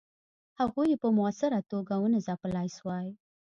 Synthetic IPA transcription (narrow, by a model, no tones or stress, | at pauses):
haɣujepəmʊasɪɾat̪oɡawənəzapəlɑjswɑj